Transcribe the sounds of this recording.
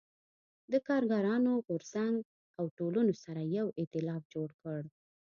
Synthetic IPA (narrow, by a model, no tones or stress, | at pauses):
d̪əkɑɾɡɑɾɑnoɣoɾsaŋɡ | awʈolunosaɾajawɪt̪ɪlɑfd͡ʒoɽkəɽ